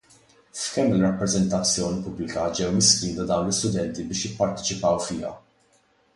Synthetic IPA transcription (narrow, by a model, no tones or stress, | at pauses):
fkɛmːɪlrɐpːɾɛzɛnt̪ɐt͡sːjɔːnipʊblɪkɐd͡ʒɛwmɪskiːt̪ɐd̪ɐwnlɪst̪ʊd̪ɛnt̪ibɪːʃjɪpːɐɾt̪ɛt͡ʃɪpɐwfɪːɐ̰